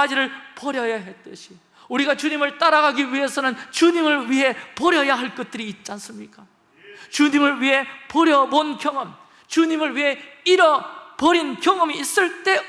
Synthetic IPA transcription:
ad͡ʑiɾɯɭpʌɾjʌjaɦe̞t͈ɯɕʰi̥ | uɾiɡat͡ɕuɲimɯɭt͈aɾaɡaɡiɥiɦe̞sʰʌnɯnt͡ɕuɲimɯɭɥiɦe̞pʌɾjʌjaɦaɭk͈ʌt̚t͈ɯɾiːt̚t͡ɕ͈ians͈ɯmɲik͈a | t͡ɕuɲimɯɭɥiɦe̞pʌɾjʌbonkjʌŋʌm | t͡ɕuɲimɯɭɥiɦe̞iɾʌpʌɾinkjʌŋʌmiːs͈ɯɭt͈e̞

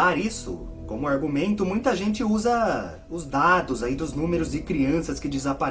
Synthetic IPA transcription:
aɾisʊ̰ | kõmʊaɾɡumẽnt̪ʊmũj̃t̪ɐʒẽnt͡ʃɪuzɐ | ʊzd̪ad̪ʊzaid̪ʊznũmeɾʊzd͡ʒɪkɾiɐ̃sɐskɪd͡ʒɪzapaɾ

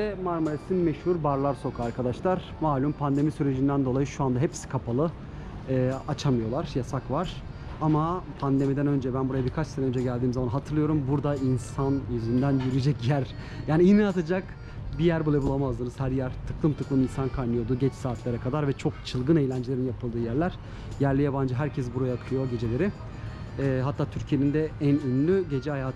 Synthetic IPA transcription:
ɛmaɾmuɾesinmeʃhuɾbaɾlˠaɾso̞kʰaɾkʰad̪aʃlˠaɾ̥ | maːlʲympʰand̪e̞misyɾe̞d͡ʒind̪ænd̪o̞lˠajɯʃuand̪aɦepsi̥kʰapʰalˠɯ | ɯːat͡ʃʰamɯjo̞lˠaɾjasakvaɾ̥ | amapʰand̪e̞mid̪ænø̞nd͡ʒɛbænbuɾajabiɾkʰat͡ʃsenɛø̞nd͡ʒɛɟælʲd̪iːmzamanɦat̪ʰɯɾlˠɯjo̞ɾumbuɾd̪ainsanjyzynd̪ænjyɾyijd͡ʒɛcjæɾ | jaːniinɛat̪ʰad͡ʒak | bijæɾbulˠabulˠamazd̪ɯnɯz̥hæɾjæɾt̪ʰɯklˠɯmt̪ʰɯklˠɯminsankʰajnɯjo̞d̪uɟɛt͡ʃsaːt̪ʰlʲˠaɾakʰad̪aɾvɛt͡ʃʰo̞k̚t͡ʃʰɯlˠɡɯne̞jlʲænd͡ʒelʲeinjapʰɯlˠd̪ɯːjæɾlʲæɾ̥ | jæɾlʲijaband͡ʒɯɦæɾcʰɛsbuɾajakʰɯlˠɯjo̞ɟe̞d͡ʒe̞lʲe̞ɾɪ | ɦat̪ʰːaːt̪ʰyɾcʰijenind̪ɛænynlʲyɟe̞d͡ʒɛhajaːt̪

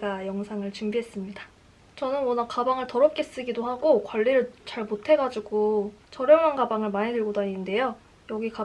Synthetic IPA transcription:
ɡajʌŋsʰaŋɯɭt͡ɕumbiɦe̞s͈ɯmɲida | t͡ɕʌnɯnwʌnakabaŋɯɭtʌɾʌp̚k͈e̞s͈ɯɡidohaɡokwaɭːiɾɯɭt͡ɕaɭmotʰe̞ɡad͡ʑiɡot͡ɕʌɾjʌŋwanɡabaŋɯɭmaɲidɯɭɡodaɲinɯnde̞jo | jʌɡika

